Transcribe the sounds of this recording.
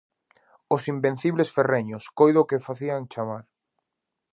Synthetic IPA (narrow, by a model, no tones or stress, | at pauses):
ʊsimbẽn̟θiβlesfereɲʊskojðokɪfaθiaŋt͡ʃamaɾ